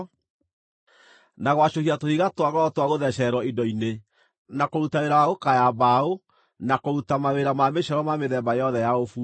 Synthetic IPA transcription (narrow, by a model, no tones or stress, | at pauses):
naɣwaɕohiatohiɣatwaɣɔtwaɣoðɛɕɛɾwɔindɔine | nakoɾutaeɾawaɣokajaβbao | nakoɾutamaweɾamameɕɛɾɔmameðɛmbajɔðɛjaofu